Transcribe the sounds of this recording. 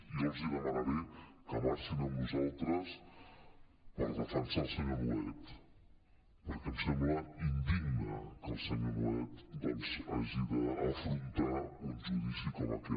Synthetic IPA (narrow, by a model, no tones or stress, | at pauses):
iɔnziðəmanaβɛ | kəmaɾsinəmnuzalˠt̪ɾəs | pəɾðəfənsalˠsəɲomuɛt̪ | pəɾkɛmsɛmbləind̪iɡnəkəlˠsəɲomuɛt̪d̪ɔnzə̰ʒiðəəfɾunt̪aunʒuðisikɔmə̰kɛ